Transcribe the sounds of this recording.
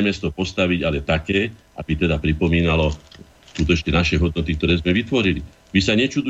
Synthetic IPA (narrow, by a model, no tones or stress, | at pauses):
mɛst̪ɔpɔst̪aʋiɟalɛt̪akɛːʔa̰bit̪ɛd̪apɾipɔmiːnalɔ | skuːt̪ɔt͡ʃɲɛnaʃɛɦɔd̪̚nɔt̪ik̚t̪ɔɾɛːzmɛʋit̪ʋɔɾili | ʋisaɲɛt͡ʃud̪u